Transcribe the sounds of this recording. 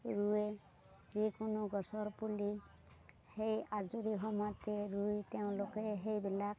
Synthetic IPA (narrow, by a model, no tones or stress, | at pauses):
ɹue | zikʊnʊɡɔsɔɹpuli | hejazuɾiɦɔmɔjteɹujteʊ̃lokeɦejbilak̚